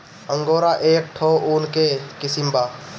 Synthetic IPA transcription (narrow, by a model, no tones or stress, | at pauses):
ə̃ŋɡoːɾaʔeːk̚ʈʰːoːuːnkekɪsimbaː